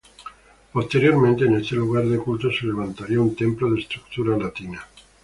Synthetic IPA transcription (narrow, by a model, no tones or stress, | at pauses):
po̞st̪e̞ɾjo̞ɾmẽnt̪e̞ːnest̪e̞luɣ̞aɾðekult̪o̞sele̞β̞ant̪aɾiaunt̪e̞mploðest̪ɾuk̚t̪uɾalat̪ina